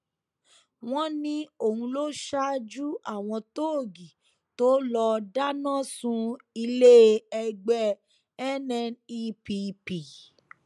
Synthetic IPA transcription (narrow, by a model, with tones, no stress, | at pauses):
w̃ɔ̃˦nĩ˧˦o˨hũ˧lo˦ʃa˦d͡ʒu˦a˦˨w̃ɔ̃˧to˦o˦˨ɡi˨ | to˦lɔ˧da˦nã˦˨sũ˧ | i˧le˦ɛ˧ɡ͡bɛ˦ | ɛ˦nɛ̃˦ni˦pi˧pi˨